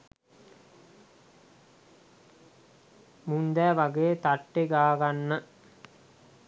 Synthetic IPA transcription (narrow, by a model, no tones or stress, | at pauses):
mund̪æːʋaɡejet̪aʈːeɡaːɡanːə